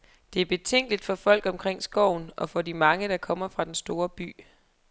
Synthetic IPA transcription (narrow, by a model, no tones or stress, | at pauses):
d̥e̝æɐb̥e̝t͡sʰeŋ̰ɡ̥əlid̥fɒ̽fɒ̽l̰ɡ̥ɒ̽mkʰʁeŋ̰sɡ̥ɒʊ̰n̩ɒ̽fɒ̽dimɑ̈ŋəɾ̥ɑ̈kʰɒ̽m̰ɐfʁɑ̈d̥ensd̥o̝ːɐb̥y̰ː